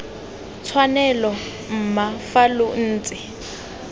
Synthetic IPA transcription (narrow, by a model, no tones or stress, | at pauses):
t͡sʰwanɛlɔ | m̩mafalʊn̩ːt͡sʼɪ